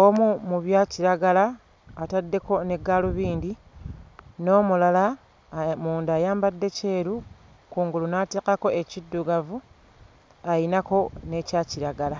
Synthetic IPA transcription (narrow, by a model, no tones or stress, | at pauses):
omumuβjaːciɾaɡalaː | tadːe̞ko̞ne̞ɡaːluβiːndi | no̞ːmulala | muːndaːjaːmbadːe̞ce̞ːɾu | kuːŋɡulunate̞ːkako̞e̞cidːuɡavu | ainako̞ne̞caːciɾaɡala